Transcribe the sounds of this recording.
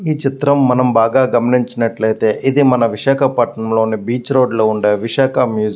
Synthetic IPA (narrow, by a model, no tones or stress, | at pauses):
iːt͡ʃit̪ɾɐmːɐnɐmbaːɡaːɡɐmɐniɲt͡ʃɐnɐʈlɐjt̪e̞ːʔid̪imɐnɐʋiʃaːkʰɐpɐʈɳɐmlo̞ːnibiːt͡ʃɾo̞ːɖloːuɳɖeːʋiʃaːkʰɐmjuːd͡ʒ